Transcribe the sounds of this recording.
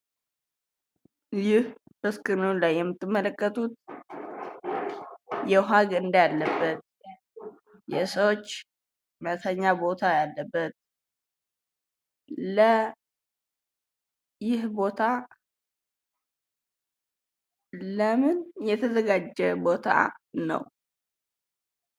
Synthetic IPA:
jɪh | bəskʼɨnunlajːɛmːɨt̪ːɨmːələkʼːət̪ʼut̪̚ | jɛɦaɡɨnd̪jalːəbːət̪ | jɛsəwot͡ʃː | mət̪ʰəɲːabo̞t̪ʰajalːəbːət̪̚ | lə | jɪhbo̞t̪ʰa | ləmɨnjɛt̪ʰəzəɡad͡ʒːɛbo̞t̪ʰa̰nə̰w

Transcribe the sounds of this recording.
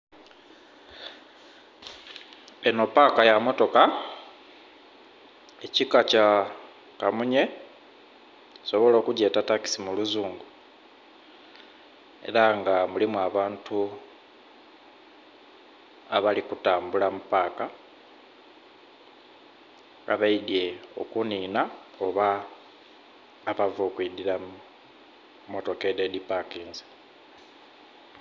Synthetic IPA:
eno̞paːkajamo̞to̞ka | ecikaca | kamuɲe̞ | so̞βo̞lo̞ːkuɟe̞ːtataki̥simuluzuːŋɡu | e̞̰ɾaŋɡamulimuaβaːntʰu | aβalikutaːmbulamupaːka | a̰βaidie̞o̞̰kuniːnao̞βa | βavo̞ːkuidiɾa | moto̞kededipakiːnzi̥

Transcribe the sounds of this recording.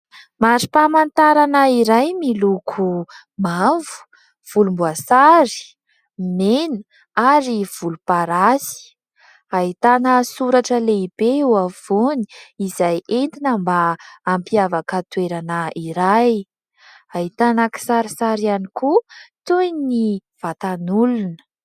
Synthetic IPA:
maɾipamant̪aɾanəiɾajmilukʰu | mavu̥ | v̥ulumbuasaɾi̥ | menə | aɾiv̥ulupaɾasi̥ | ait̪anəsuɾaʈ͡ʂəleib̥euav̥oni̥izajʔent̪inəmbaːmpiavakət̪weɾanəiɾaj | ait̪anaki̥saɾisaɾianikut̪ujniv̥at̪anulunə̥

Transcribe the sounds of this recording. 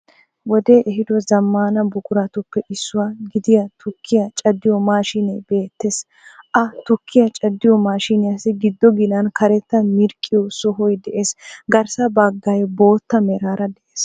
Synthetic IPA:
wɔd̪eːʔɛɦɪd̪ɔzɐmːaːnɐbʊkʼʊɾat̪ʊpːɛʔɪsːʊwaːɡɪd̪ɪjɐt̪ʊkʰːɪjɐt͡ʃʼɐd̪ːɪjɔmaːʃɪnɛjbe̞ːt̪ːes | ʔɐt̪ʊkʰːɪjɐt͡ʃʼɐd̪ːɪjɔmaːʃinɪjɐsɪɡɪd̪ːɔɡɪnɐnkɐɾɛt̪ːɐmɪɾkʼːɪjɔsɔɦɔjd̪ɛʔeːsɡɐɾsɐbɐɡːɐjbo̞ːt̪ːɐmɛɾaːɾɐd̪ɛʔeːs

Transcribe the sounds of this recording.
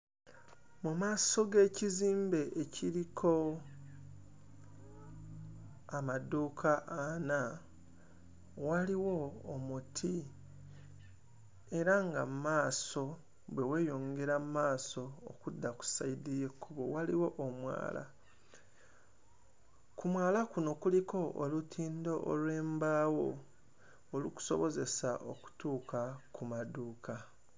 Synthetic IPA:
mumaːso̞ɡe̞ːciziːmbe̞ʔecʰiɾikʰo̞ | amaduːkʰaʔːna | waliwo̞ːmutʰi | e̞ɾaŋɡamumaːso̞ | bwe̞we̞ːjo̞ːŋɡe̞ɾamumaːso̞̰ːkudːaku̥saidije̞kʰːuβowaliwo̞ʔomwa̰ːla̰ | kumwaːlakuno̞kuliko̞ʔolutʰiːndo̞ʔolwe̞ːmbaːwo̞ː | luku̥so̞̰βo̞ze̞saʔoku̥tuːkakʰumaduːkʰa

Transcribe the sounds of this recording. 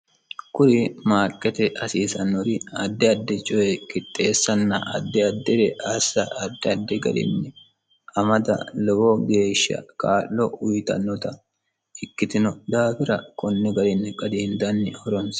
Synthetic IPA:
kʊɾɪmaːkʼːɛt̪ɛʔɐsiːsɐnːɔɾɪɐd̪ːɛɐd̪ːɛt͡ʃʼɔɛkɪt̪ʼːeːsːɐnːɐ̰ʔɐ̰d̪ːɛɐd̪ːɛd̪ɛʔɐsːɐɐd̪ːɛɐd̪ːɛɡɐ̰d̪ɪ̰nːɛ | ʔɐmɐd̪ɐ̰lɔwɔɡe̞ːʃːɐ̰kaːlːɔʔʊjt̪ɐ̰nːɔt̪ɐ | ɪkːɪt̪ɪnɔd̪aːfɪɾɐkɔnːɛɡɐd̪ɪnːɛkʼɐd̪ɪnd̪ɐnːɪhɔɾɔns

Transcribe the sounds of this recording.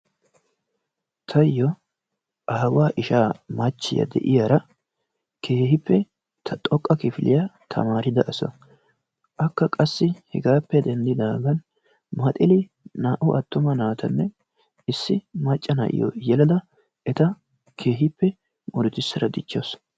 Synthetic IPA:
t̪ʰɐjːɔ | ʔɐɐwaːʔɪʃaːmɐt͡ʃːɪjɐ̰d̪ɛ̰ʔɪjaɾɐ | kʰeːhɪpːɛ | t̪ʰɐt̪ʼɔkʼːɐkɪfɪlʔɪjɐt̪ʰɐ̰maːɾɪd̪ɐʔɐsɔ̰ | ʔɐkːɐkʼɐsːɪhɛ̰ɡaːpːɛd̪ɛnd̪ɪd̪aːɡɐn | mɐt̪ʼɪlɪ | naːʔʊʔɐt̪ːʊmɐnaːt̪ɐnːɛ | ɪsːɪmɐt͡ʃʼːɐnɐ̰ʔɪ̰jɔ̰jɛlɐd̪ɐ | ʔɛt̪ɐ | kʰeːɦɪpːɛ | mʊɾʊt̪ɪsːɐɾɐd̪ɪt͡ʃːos

